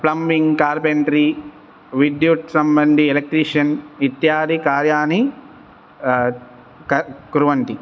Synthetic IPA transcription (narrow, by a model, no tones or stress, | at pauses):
plɐmbiŋɡkaːɾpent̪ɾi | ʋid̪juʈsɐmbɐnd̪ielek̚ʈɾiːʂɐnʋit̪jaːd̪ikaːɾjaːni | kɐkuɾʋɐɳʈi